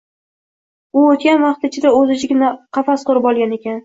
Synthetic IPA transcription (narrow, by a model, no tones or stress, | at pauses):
ʊot̪kʲanvɑχt̪ɪt͡ʃʰɪd̪aɵzɪt͡ʃʰɪɡʲɪnaqʰɑfasqʰoɾɪpɒlˠɡʲane̞kʲan